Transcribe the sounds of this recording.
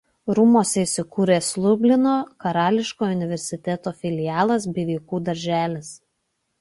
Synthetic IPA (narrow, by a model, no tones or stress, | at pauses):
ɾʊmoːsʲɛisʲɪkuːɾʲeːsʲlʲˠʊbʲlʲɪnoːkɐɾɑːlʲɪʃkoːʊnʲɪʋʲɛɾʲsʲɪt̪ʲɛt̪oːfʲɪlʲɪjɑːlˠɐsbʲɛʋʲiːkuːd̪ɐɾʲʒʲæːlʲɪs